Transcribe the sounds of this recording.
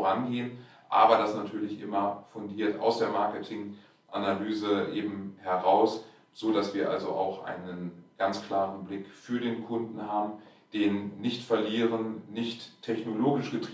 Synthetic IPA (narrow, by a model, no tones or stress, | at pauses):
ʁanɡeːən | ʔa̰ːbɐdasnatʰyːɐlɪçʔɪ̰mɐfʊndiːɐta̰ʊsd̥eːɐmaɐkətʰɪŋ | ʔanalyːzəʔeːbm̩hɛʁaʊs | z̥oːdasv̥iːɐʔa̰lzo̰ʔa̰ʊxʔa̰ɪnənɡ̥ant͡skl̥aːʁən̩blɪkfyːɐɾeːnkʰʊndn̩ɦaːbm̩ | d̥eːnːɪçtfɛɐliːʁ̞ənnɪçtʰːɛçnoloːɡɪʃɡ̥ətʁi